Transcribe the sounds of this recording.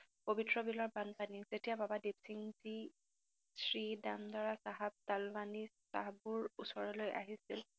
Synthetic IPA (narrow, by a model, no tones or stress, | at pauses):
pobitɹɔbilɔɹbanpaniz̥etijababadebsiŋzi | sɹidamdaɹasaɦab̚talbani | sa̰ɦabuɹusɔɹɔlojʔa̰ɦisil